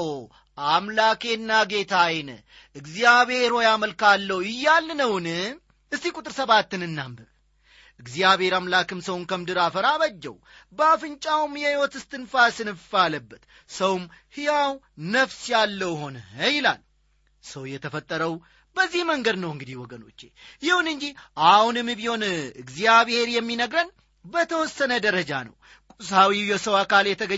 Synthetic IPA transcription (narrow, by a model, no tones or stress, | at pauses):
ʔamlake̞nːaɡe̞t̪ʰajnə | ʔɨɡzijaβe̞ɾho̞jaməlkalːəwɪjːalːnəwnɨ | ɨst̪ːikʼut̪ʼɨɾsəβat̪ːɨnɨnːambə | ʔɨɡzijaβhe̞ɾamlakɨmsəwnkʰəmd̪ɨɾafəɾaβəd͡ʒːɛ̰w | bəafɨnt͡ʃʼawumjɛhiwɔt̪ɨst̪ʰɨnfasɨnɨfaləbːət̪ | səwmhɨjaw | nəfsjalːəwho̞nəjɪla̰l | səwjɛt̪ʰəfət̪ʼːəɾəw | bəzːihməŋɡəd̪nəwɨŋɡɨd̪ihwɔɡəno̞̰t͡ʃːejɪhunɨnd͡ʒihʔahunɨmːɨbiho̞nɨɡzijaβhe̞ɾjɛmːinəɡɾən | bət̪ʰəwɔsːənəd̪əɾəd͡ʒanə̰w | kʼusawijɛsəwakaljɛt̪ʰəɡə